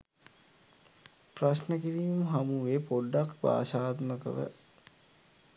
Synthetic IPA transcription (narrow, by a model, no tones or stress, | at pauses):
praʃnəkiɾiːməɦamuʋeːpoɖːakba̰ːʃaːt̪məkə̰ʋə̰